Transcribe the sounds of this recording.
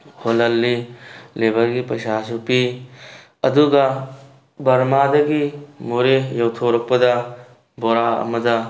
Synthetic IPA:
holɐlːilebʱɐɾɡipɐjsasupi | ɐduɡɐ | bɐɾmadɐɡimoɾejɐwtʰoɾɐk̚pɐdɐ | boɾaɐ̰mɐdɐ

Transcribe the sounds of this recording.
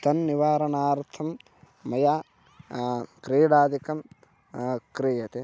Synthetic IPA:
t̪ɐnːiʋaːɾɐnaːɾt̪ʰɐmː | ɐjaː | kɾiːɽaːd̪ikɐm | kɾijɐt̪e

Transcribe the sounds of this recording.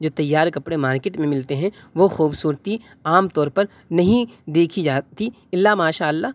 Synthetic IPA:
d͡ʒoːt̪ɐjːaːɾkɐpɽemaːɾkeːʈmẽmɪlt̪eɦɛ̃ | ʋoxuːbsuːɾt̪i | aːmt̪ɔːɾpɐɾ | nɐɦĩd̪eːkʰid͡ʒaːt̪i | ɪlːamaːʃaːəlːaː

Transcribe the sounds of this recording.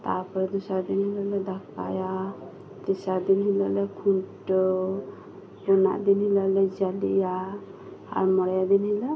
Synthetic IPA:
t̪a̰pɔɾɛd̪ɔsaɾd̪inhilalɛd̪aka̰ja | t̪isaɾd̪inɦilaʔlɛkʰuɳʈɔ | pɔna̰ʔd̪inɦilalɛd͡ʒalḭja | a̰ɾmɔɽajad̪inhila

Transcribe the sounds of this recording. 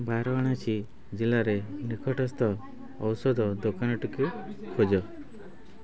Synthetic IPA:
baɾɔaɽ̃at͡ʃʰi | d͡ʒilaɾenikʰɔʈɔst̪ɔː | wsɔd̪ɔd̪okanɔʈukikʰod͡ʒɔ

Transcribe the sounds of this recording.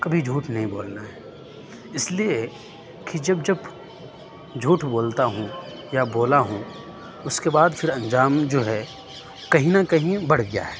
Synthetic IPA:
kɐbʱid͡ʒʱuːʈʰnɐɦĩboːlnaɦɛː | ɪslie | kid͡ʒɐbd͡ʒɐb | d͡ʒʱuːʈʰboːlt̪aɦũ | jaboːlaɦũ | ʊskebaːd̪pʰɪɾɐ̃nd͡ʒaːmd͡ʒoːɦɛ | kɐɦĩnakɐɦĩbɐɽɡɪja̰ɦɛː

